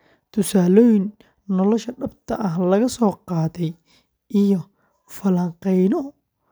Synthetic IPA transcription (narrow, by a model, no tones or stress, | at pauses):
t̪ʰʊsaːlɔːjɪnː | ɔlɔʃɐɖɐb̚t̪ʰɐʔɐɦlɐɣɐsɔːqɑːðɛj | ʔijɔ | fɐlɐŋqɛjnɔ